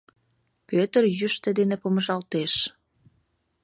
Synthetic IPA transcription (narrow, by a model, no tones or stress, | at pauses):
pøt̪ərjyʃt̪ĕd̪enepoməʒɑlt̪eʃ